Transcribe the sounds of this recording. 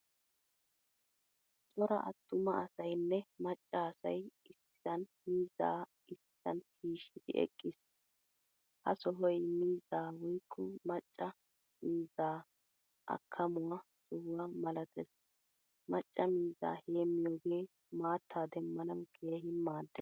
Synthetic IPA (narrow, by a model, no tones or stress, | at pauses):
t͡sʼɔɾɐʔɐt̪ːʊmɐɐsɐjnːɛmɐt͡ʃʼːaːsɐjɪsɪ̥ɐnmiːza̰ː | ɪs | ɐnhiːʃːɪd̪ɪ̰ʔɛ̰kʼːɪs | hɐ̰sɔɦɔjmiːzaːwɔjkʰːɔmɐt͡ʃʼːɐ | miːzaː | ʔɐ̰kʰːɐmʊwɐsʼɔhʊwɐmɐlɐt̪ʰɛs | mɐt͡ʃʼːɐmiːza̰ːheːmːɪjoːɡe̞ː | maːt̪ʰːaːd̪ɛmːɐnɐwɡ̥e̞ːɦɪmːaːd̪ːɛ